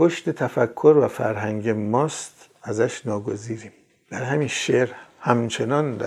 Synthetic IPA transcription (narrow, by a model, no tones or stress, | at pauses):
pʰoʃt̪et̪ʰæfækʰːoɾvæfæ̰ɾɦæŋɟemɒːst̪ | æzæʃnɒːɡo̞ziːɾiːm | d̪̥æɾhæmiːnʃeɾhæmt͡ʃʰe̞nɒːnd̪æ